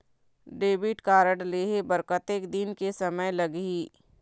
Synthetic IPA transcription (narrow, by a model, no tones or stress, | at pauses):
ɖeːbɪʈkaːɾəɖleːɦebəɾkət̪eːkd̪ɪnkesɐməjlɐɡɦiː